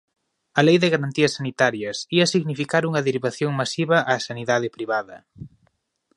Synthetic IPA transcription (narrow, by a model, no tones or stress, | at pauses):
ɐlejðɪɣaɾant̪iɐsːanit̪aɾjɐsiɐsiɣnifikaɾuŋɐðiɾiβaθjoŋmasiβɐʔasaniðaðɪpɾiβaðɐ